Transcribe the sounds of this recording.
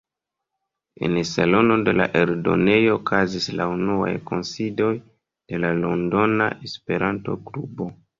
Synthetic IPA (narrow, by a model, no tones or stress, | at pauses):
e̞̰nsalo̞no̞de̞la̰ʔe̞ɾdo̞̰ne̞jo̞ːkʰazislaunua̰jko̞nsido̞j | d̥e̞lalo̞ndo̞na̰ʔespe̞ɾanto̞̰ɡɾubo̞